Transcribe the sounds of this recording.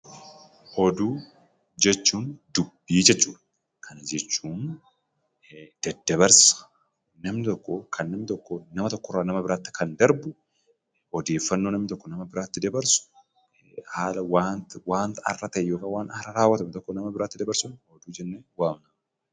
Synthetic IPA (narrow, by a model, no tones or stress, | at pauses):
hɔd̪uː | d͡ʒɛt͡ʃːuːnd̪ʊbːiːd͡ʒɛt͡ʃːuːᶑɐ̥ | kʰɐnɐd͡ʒɛt͡ʃːuːn | d̪̥ɐd̪ːɐbɐɾsɐ̥ | nɐmnɪt̪ɔkːɔkʰɐnːɐmnɪt̪ɔkːonɐmɐt̪ɔkːɔraːnɐmɐbɪɾaːt̪ːɪ̥kʰɐnd̪ɐɾbʊ | hɔd̪e̞ːfːɐnːoːnɐmnɪt̪ɔkːɔnɐmɐbɪɾaːt̪ːɪd̪ɐbɐɾsʊ̥ | haːlɐwaːnt̪waːnt̪ɐ̰rːɐt̪ɐɛjoːkawaːnɐrɐɾaːwːɐt̪ɐmt̪ɔkːonɐmɐbɪɾaːt̪ːɪd̪ɐbɐɾsʊnhɔd̪uːd͡ʒɛnːeːwaːmnɐm